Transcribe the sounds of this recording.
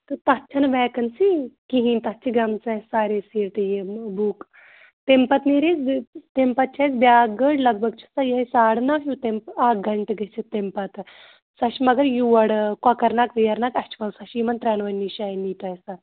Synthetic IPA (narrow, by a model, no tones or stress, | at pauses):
t̪ɨt̪ɐt͡ʃʰɐnbɛːkɐnsikiɦĩnt̪ɐt͡ʃʰiɡɐmt͡sɐsaːɾesiːɾʈjebuːk | t̪empɐt̪niɾet͡st̪empɐt̪̚t͡ʃʰat͡sbʲjaːɡəʈlɐɡ̚bɐɡt͡ʃʰi̥sajeɦɐsaːɽnaɦjut̪empaːɡɐɳʈɡɐt͡ʃʰit̪empɐt̪ | sɐʃimɐɡɐɾjuʋɐɽkwakɐɾnakt̪ɐjɐɾnakɐt͡ʃʰi̥kɐwsɐʃimɐnt̪ɾanʋɐnːiʃaːjniːt̪ajsa